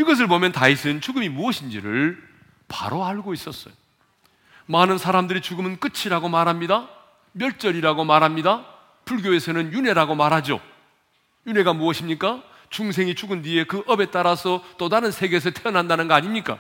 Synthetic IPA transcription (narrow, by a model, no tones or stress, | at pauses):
iɡʌs̬ʰɯɭbomjʌntaisʰɯnt͡ɕuɡɯmimuʌɕʰind͡ʑiɾɯɭ | pa̰ɾoaɭɡois͈ʌs͈ʌjo | manɯnsʰaɾamdɯɾit͡ɕuɡɯmɯnk͈ɯt͡ɕʰiɾaɡomaɾɦamɲida | mjʌɭt͡ɕ͈ʌɾiɾaɡomaɾɦamɲida | puɭɡjoe̞sʰʌnɯnjune̞ɾaɡomaɾɦad͡ʑo̰ | june̞ɡamuʌɕʰimɲik͈a | t͡ɕuŋs̬ʰe̞ŋit͡ɕuɡɯmdie̞kɯʔʌbe̞t͈aɾasʰʌt͈odaɾɯnsʰe̞ɡe̞s̬ʰʌtʰeʌnɦandanɯnɡʌaɲimɲik͈a̰